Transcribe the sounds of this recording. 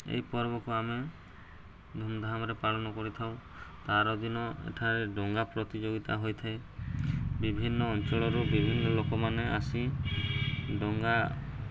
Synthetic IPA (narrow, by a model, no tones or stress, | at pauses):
ḛjpɔɾbɔkuame | d̪ʱumd̪ʱamɔɾepaɭɔnɔkɔɾit̪ʰaw̃ | t̪aɾɔd̪inɔḛʈʰaɾeɖɔŋɡapɾɔt̪id͡ʒoɡit̪aɦojt̪ʰae | bibʱinːɔːnt͡ʃɔɭɔɾubibʱinːɔlokɔmaneasi | ɖɔŋɡa